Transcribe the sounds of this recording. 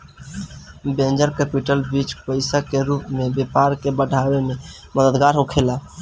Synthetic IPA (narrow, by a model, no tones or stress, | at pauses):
bẽnd͡ʒəɾkɛːpiʈəlbit͡ʃpəɪsakeɾupmẽbepaɾkebəɖʱaweme | məd̪əd̪ɡaɾɦokʰela